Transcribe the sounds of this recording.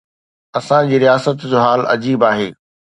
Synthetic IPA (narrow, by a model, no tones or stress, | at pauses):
ɐsãd͡ʑiːɾijaːsət̪d͡ʑoːɦaːlɐ̰d͡ʑiːbaːɦḛː